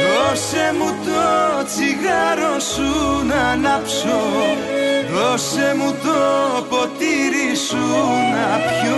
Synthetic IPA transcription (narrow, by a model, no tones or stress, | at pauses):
ɾɔsemut̪ɔt͡sʰiɣaɾosunanapso | ɾɔsemut̪ɔpɔt̪iɾisunapjo